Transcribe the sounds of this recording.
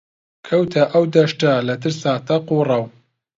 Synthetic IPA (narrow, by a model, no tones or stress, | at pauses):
kʰɐwt̪ʰɐʔɐwd̪ɐʃtɐlɐt̪ʰɨɾsaːt̪ʰɐqurˤɐw